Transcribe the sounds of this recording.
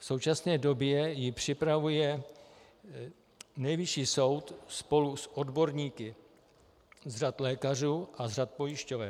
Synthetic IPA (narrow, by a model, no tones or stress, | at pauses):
fso̞wt͡ʃasnɛːdo̞bjɛjɪpr̝̥ɪpɾavujɛ | nɛjvɪʃiːso̞wt̪spo̞lusʔo̞dbo̞ɾɲiːkɪ | zrat̪lɛːkar̝uːʔazr̝at̪̚po̞jɪʃcovɛ